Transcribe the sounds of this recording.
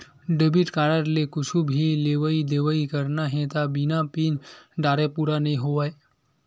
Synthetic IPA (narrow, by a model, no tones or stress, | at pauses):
ɖebiʈkaːɾəɾlekʊt͡ʃʰubʱileːʋəid̪eːʋəikəɾnaɦɛ̃t̪abinapiːnɖaːɾepuːɾanɐĩɦoʋae